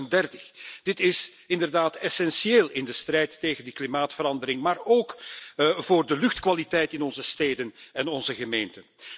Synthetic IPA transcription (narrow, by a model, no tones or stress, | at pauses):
ndɛrtə̥xd̥ɪtɪs | ɪndərdaːtɛsɛnsieːlˠɪndəstrɛjtːeːɣəndəklimaːtfəɾɑndəɾɪŋmaːroːk | voːrdəlʏxtkʋalitɛjtɪnɔnzəsteːdənɛnɔnzəɣəmeːntən